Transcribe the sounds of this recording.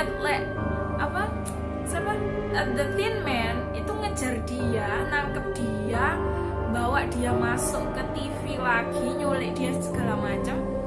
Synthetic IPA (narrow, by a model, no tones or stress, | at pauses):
ət̪̚lɛʔ | ʔapa | sapa | ənd̪ət̪inmɛn | it̪uŋəd̥d͡ʒ̥a̤rd̥ianaŋkəp̚d̥i | a | bawaʔd̥iamasʊŋkət̪ifilaɡ̥iɲulɪʔd̥iassəɡ̥alamat͡ʃam